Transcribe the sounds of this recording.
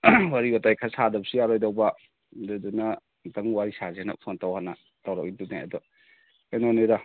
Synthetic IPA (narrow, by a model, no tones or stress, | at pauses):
waɾiotajkʰasadɐbsiaɾojdawba | dɯduna | taŋwaɾisazena̰pʰontawhana | tawɾak̚idunajɐ̰dɔ | enoneda